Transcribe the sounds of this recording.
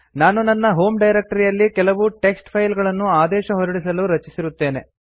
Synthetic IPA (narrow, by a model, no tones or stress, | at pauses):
naːnunɐnːɐɦo̞ːmɖɐjɾek̚ʈɐɾijɐlːikɛlɐʋuʈe̞ksʈpʰɐjlɡɐɭɐnːuaːd̪ɛːʃɐɦoɾɐɽis̬ɐluɾɐt͡ʃisiɾut̪ːe̞ːne̞